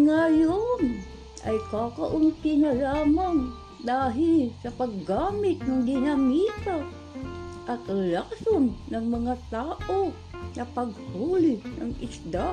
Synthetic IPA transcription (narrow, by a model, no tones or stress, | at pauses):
ŋajon | ʔɐ̰jkakaʔʊnt̪ɪnalaːmaŋ | d̪aːɦɪlsɐpɐɡːaːmɪt̪̚nɐŋd̪ɪnamiːt̪a | ʔɐt̪ɾɪlaksonːɐŋmɐŋat̪aːʔo | nɐpɐɡ̚huːlɪna̰ŋɪsd̪a